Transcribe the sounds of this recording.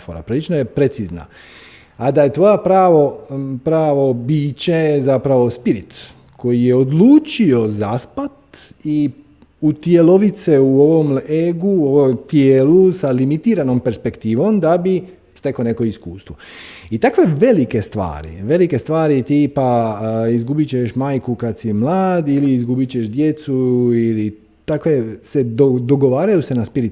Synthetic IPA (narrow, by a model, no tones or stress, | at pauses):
foɾa̰pɾilit͡ʃnoje̞pɾe̞t̪sizna̰ | ad̪aje̞t̪ʋo̞japɾaːʋopɾaːʋo̞biːt͡ɕezapɾaʋo̞spiɾit̪ | kʰo̞jijeod̪luːt͡ʃio̞zaspat̪i | ut̪jelo̞ʋit̪seuo̞ʋo̞meɡuoʋomt̪jeːlusalimit̪iːɾano̞mpe̞ɾspe̞kt̪iːʋo̞md̪abi | st̪e̞kone̞ko̞iskuːst̪ʋo | it̪akʋe̞ʋe̞like̞st̪ʋa̰ːɾḭʋe̞like̞st̪ʋaːɾit̪iːpaizɡubit͡ɕeʃmaːjkukad̪simlˠaːd̪iliːzɡubit͡ɕeʃd̪je̞t̪suili | t̪akʋe̞sed̪od̪oɡo̞ʋaːɾajuse̞naspiɾit̪